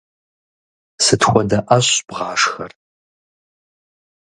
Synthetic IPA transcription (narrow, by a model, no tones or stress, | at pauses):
sɨtxʷʼɔdɐʔɐɕb̥ʁɑːʂxɐr